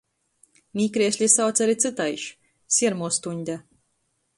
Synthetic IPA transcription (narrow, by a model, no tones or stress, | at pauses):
mʲiːkɾiɛsʲlʲisawt̪sʲaɾit̪sɨt̪ajʃ | sʲiɛɾmuɔst̪unʲd̪ʲa